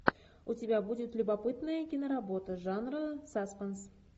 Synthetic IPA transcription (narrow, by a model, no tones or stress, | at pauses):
utʲɪbʲæbudʲɪt̪lʲubapɨt̪nəjəkʲinoɾabo̞t̪əʐɑnrəsɑsqəns